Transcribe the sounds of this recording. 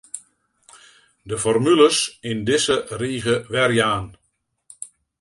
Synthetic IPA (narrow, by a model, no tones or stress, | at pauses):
dəfɔrmyləsɪndɪsəriːɣəʋɛrjaːn